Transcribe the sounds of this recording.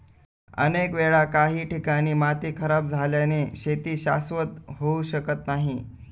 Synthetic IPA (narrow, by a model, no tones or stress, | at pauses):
ə̰nekʋeɭakaɦiːʈikaɽ̃iːmat̪iːkʰəɾab̚d͡zʱaljaneɕet̪iːɕa̰sʋət̪ɦouɕəkət̪naɦi